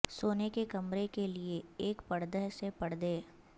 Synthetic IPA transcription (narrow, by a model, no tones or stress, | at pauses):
soːnekekɐmɾekelieeːkpɐɽd̪əɦsepɐɽd̪eː